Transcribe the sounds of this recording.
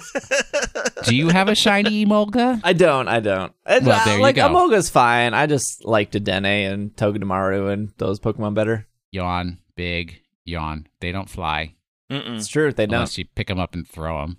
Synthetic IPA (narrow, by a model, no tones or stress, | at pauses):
d̥ɨjɨːvɨʃãɪ̃nimoʊɡəaɪdõʊ̃nta̰ɪdõʊ̃nt̚ʔɪwɛlðə˞jlɨaɪɡoəʊmoʊɡɨz̥fãɪ̃naɪd͡ʒʌstlaɪk̚tɨdɛ̃neɪɨ̃ntʰoʊɡɨɾəmɑɹoɨ̃nðoʊz̥pʰʊkɪ̃mə̃nbɛɾə˞ | jɑ̃nb̥ɪɡ | jɑ̰̃nðeɪɾõʊ̃ntfla̰ɪ | m̩stʰɹ̥ʉðeɪdõʊ̃sɨpʰɪkɨ̃mʌpn̩θɹo̰ʊə̰̃m